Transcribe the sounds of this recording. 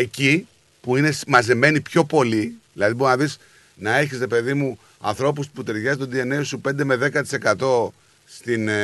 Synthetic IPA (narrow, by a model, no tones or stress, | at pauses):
e̞ci | puine̞smɐze̞me̞nipço̞po̞liðilɐðibo̞ɾnɐðis | nɐe̞çisɾe̞pe̞ðimu | ɐ̰nθɾo̞p̬ust̪i̥sput̪e̞ɾʝɐst̪ond̪ie̞nesupe̞nd̪e̞me̞ðe̞kɐt̪i̥se̞kɐt̪o̞ | st̪in